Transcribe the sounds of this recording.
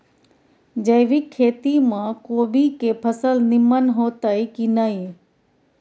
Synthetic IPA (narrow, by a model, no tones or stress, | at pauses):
d͡ʒəjʋɪkʰːeːt̪imãːkoːbʱikepʰəsəlnɪmənɦoːt̪aikinəi